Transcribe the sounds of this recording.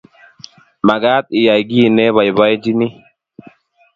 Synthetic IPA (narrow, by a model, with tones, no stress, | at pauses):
ma˨ɡa˦t̪̚i˨ja˨jɡi˦˨nɛ˦βa˨jba˦jd͡ʒi˦ni˦